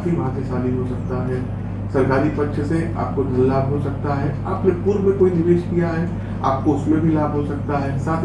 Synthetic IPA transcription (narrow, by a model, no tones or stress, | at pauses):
t̪ɦiʋɐɦãsesaːliɦosɐk̚t̪aɦɛː | sɐɾkaːɾipɐtːʃʰsea̰ːp̚kod̪ʱɐlːaːbʱɦosɐk̚t̪aɦɛːa̰ːpnepuːɾmẽkoːinɪʋeːʃkijaɦɛ | a̰ːp̚koʊsmebʱilaːbʱɦosɐk̚t̪aɦɛːsaːt̪ʰ